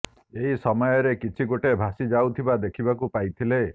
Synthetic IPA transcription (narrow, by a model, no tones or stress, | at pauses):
eɦisɔmɔjɔɾekit͡ʃʰiɡoʈebʱasid͡ʒawt̪ʰibad̪ekʰibakupajt̪ʰile